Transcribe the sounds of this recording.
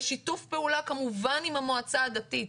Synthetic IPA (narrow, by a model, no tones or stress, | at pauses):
ʃitufpeulakamuvanimamoat͡saːdat̪it